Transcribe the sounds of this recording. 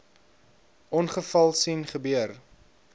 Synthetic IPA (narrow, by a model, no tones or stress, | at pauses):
ɔnχəfɐlˠsinχəbyər